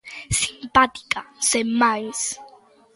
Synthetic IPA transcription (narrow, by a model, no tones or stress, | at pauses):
simpʼat̪i̥kʼasɛmajs